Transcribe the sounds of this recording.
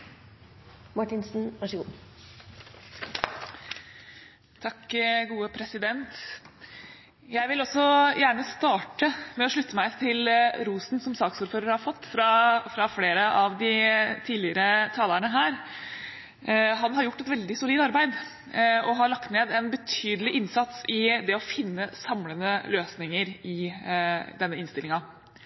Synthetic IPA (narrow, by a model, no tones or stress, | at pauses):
mɑʈɪnsn̩ʋæʂəɡuː | t̪ʰɑkɡuːəpʰɾɛsɪd̪ɛnt̪ | jæɪʋɪlɔsːɔjæːɳəst̪ɑːʈəmɛɔʂɭʉt̪ːəmæɪt̪ʰɪlɾuːsn̩sɔmsɑːksuːɾføːɾəɾhɑɾfɔt̪ːfɾɑfɾɑfleːɾəʔɑʋd̪ɪt̪ʰiːd̪lɪəɾət̪ʰɑːləɳəɦæːɾ | ɦɑnhɑɾjʊʈːɛt̪ʋɛld̪ɪsʊliːd̪ɑɾbæɪd̪ | ɔɦɑlɑkt̪neːd̪ɛnbət̪ʰyːd̪əlɪʔɪnsɑt̪sɪd̪ɛɔfɪnːəsɑmlənəløːsnɪŋəɾɪ | d̪ɛnːəɪnst̪ɪlɪŋɑ